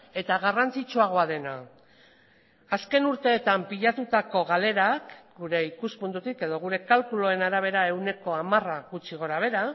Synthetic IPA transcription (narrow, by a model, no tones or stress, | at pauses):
e̞t̪aɣ̞arant͡sit͡ʃuaɣ̞o̞að̞e̞na | aske̞nuɾt̪e̞ːt̪ampiʎat̪ut̪ako̞ɣ̞ale̞ɾakɡuɾe̞ikuspund̪ut̪ike̞ðo̞ɣ̞uɾe̞kalkulo̞e̞naɾaβ̞e̞ɾae̞wne̞ko̞amaraɣut͡ʃiɣ̞o̞ɾaβ̞e̞ɾa